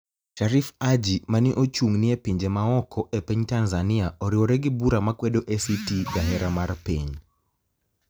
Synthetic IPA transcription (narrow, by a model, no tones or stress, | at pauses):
ʃaɾifad͡ʒimanɪʔot͡ʃuŋnɪepiɲd͡ʒemaɔkʰɔʔepeɲtanzaniaoɾioɾɛɡɪbuɾamakwɛdoʔesitidaɦɛɾamarpiɲ